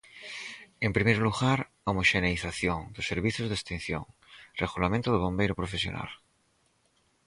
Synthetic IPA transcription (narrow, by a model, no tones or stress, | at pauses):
empɾimejɾluɣaɾ | aomoʃeneiθaθjoŋd̪osːeɾβiθjozðest̪ĩn̟θjo̰ŋreɣolamẽnt̪oðoβ̞ombejɾopɾofesjo̰na̰l